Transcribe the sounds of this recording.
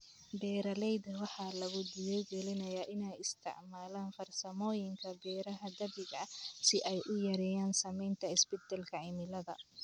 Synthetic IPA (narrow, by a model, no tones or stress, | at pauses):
bɛːɾɐlɛjd̪ɐwɑħɑːlɐɣʊd̪ɪjɛjɡɛlɪnɐjaːʔɪnɛjɪst̪ʰɪ̰ʕmaːlaːnfɐrsɐmɔːjɪŋkʰɐbɛːɾɐɦɐd̪ɐβɪɣɐsɪʔɛjʔʊjɐɾɛːjaːnsɐmɛjnt̪ʰɐɪsbɪt̪ʰɐlkʰɐʕɪmɪlɐðɐ̰